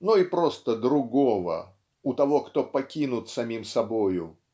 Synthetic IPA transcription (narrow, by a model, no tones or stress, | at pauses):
nuipɾost̪əd̪ɾʊɡovə̰ | ʊt̪ɐvo̞kt̪o̞pɐkʲinʊt̪sɐmʲimsɐbojʊ